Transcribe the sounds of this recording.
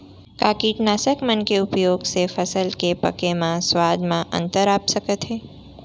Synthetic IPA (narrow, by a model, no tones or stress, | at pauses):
kaːkiʈnaːsəkmənkeʊpjoːɡsefəsəlkepə̰kemãswaːd̪mãʔɐ̰̃nt̪əɾaːpsəkət̪ɦeː